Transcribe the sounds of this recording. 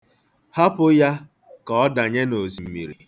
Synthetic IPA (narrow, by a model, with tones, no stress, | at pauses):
ha˦pʊ˦ja˦ | kɔ˦ɔ˦da˨ɲe˦no˨zi˨m̩˨mi˨ɾi˨